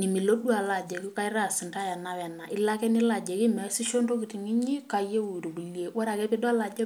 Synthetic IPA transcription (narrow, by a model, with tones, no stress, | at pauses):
ni˨mi˨lo˦du˦a˨la˨d͡ʒe˨ki˦ka˦i˦ɾa˦˨sɪ˨nta˦ja˨na˦wɛ˨na˨ʔɪ˦la˦kɛ˦ni˦la˨d͡ʒe˨ki˦mɛ˨˦si˦ʃo˦ndo˦kɪ˨ti˨ŋi˦ɲi˦ka˨je˦u˨ɾo˨ku˨lje˦wɔ˦ɾa˨kɛ˦pe˦da˦la˨d͡ʒɛ˦